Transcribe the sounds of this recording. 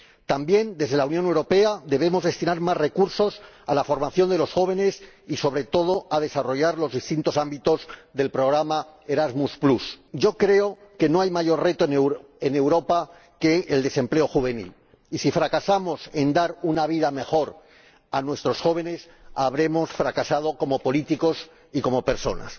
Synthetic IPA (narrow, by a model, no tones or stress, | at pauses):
t̪ambje̞nd̪e̞zðe̞launjonewɾo̞pe̞aðe̞β̞e̞mo̞zðe̞st̪inaɾmazre̞kuɾso̞s | alafo̞ɾmaθjo̞nd̪elo̞sxo̞β̞e̞ne̞s | iso̞βɾe̞t̪o̞ð̞o̞að̞e̞saro̞ʝaɾlo̞zðist̪int̪o̞sambit̪o̞zðe̞lpɾo̞ɣ̞ɾamae̞ɾazmusplusɟ͡ʝo̞kɾe̞o̞ke̞noajmaʝo̞rre̞t̪oenew | ene̞wɾo̞pa | ke̞ːld̪e̞se̞mple̞o̞xuβ̞e̞nḭl | isifɾakasamo̞se̞nd̪aɾunaβ̞iðame̞xo̞ɾ | anwe̞st̪ɾo̞sxo̞β̞e̞ne̞s | aβɾe̞mo̞sfɾakasað̞o̞ko̞mo̞po̞lit̪iko̞s | iko̞mo̞pe̞ɾso̞̰na̰s